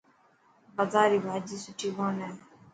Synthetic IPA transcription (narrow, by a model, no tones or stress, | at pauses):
bəzaːɾiːbʱaːd͡ʒiːsʊʈʰiːboːnɛː